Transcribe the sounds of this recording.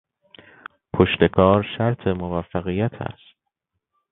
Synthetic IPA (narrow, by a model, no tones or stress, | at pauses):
pʰoʃt̪e̞kʰɒːɾʃæɾt̪ʰe̞movæfːæɣijæt̪ʰæ̰st̪